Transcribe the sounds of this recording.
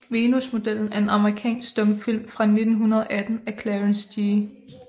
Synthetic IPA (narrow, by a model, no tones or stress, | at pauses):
ʋe̝nusmo̝d̥el̰n̩æɐe̝nɑ̈məʁikʰɛ̰ːnsɡ̥sd̥ɔ̽mfil̰mfʁɑ̈ne̝d̥n̩ɦunɐð̞ˠɒ̽ʔæd̥n̩ækʰlæənsd̥i